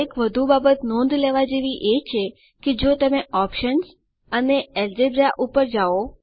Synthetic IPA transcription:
ekʋəd̪ʱubabət̪nɔ̃nd̪leʋad͡ʒeʋiʔet͡ʃʰe | ked͡ʒot̪əmeɔpʃənz | əneɛld͡ʒebɾaʔupəɾd͡ʒao

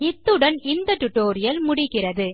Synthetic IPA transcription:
ɪt̪ːɯɽɐnɪnd̪ɐʈʊʈːoːɾɪjɐlmʊɽɪkːɪrɐðɯ

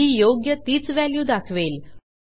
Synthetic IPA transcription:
iːjoɡjət̪iːt͡sʋæljuːd̪akʰʋel

